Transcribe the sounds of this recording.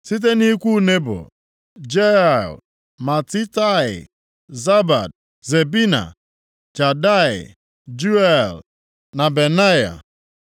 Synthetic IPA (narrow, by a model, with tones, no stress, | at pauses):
si˦t̬e˦ni˦kʷu˦ne˦bʊ̰˨ | d͡ʒe˦a˨l | ma˨ti˦ta˦ɪ̰˨ | za˦ba̰˨d̚ | ze˨bi˦na̰˨ | d͡ʒa˨da˦ɪ̰˨ | d͡ʒu˦ɛ˦˨l | na˨be˨na˦ja̰˨